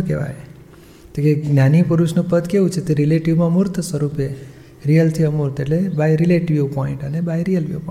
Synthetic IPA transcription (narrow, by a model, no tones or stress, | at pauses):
keʋa̰j | t̪ekeɡnjanipuɾut͡ʃʰnũpəd̪keũt͡ʃʰet̪eɾileʈiʋmãmuɾt̪ʰswəɾupe | ɾiəlt̪ʰiəmuɾt̪ʰeʈlebajɾileʈiʋjpɔiɳʈənebajɾijəlʋio̰p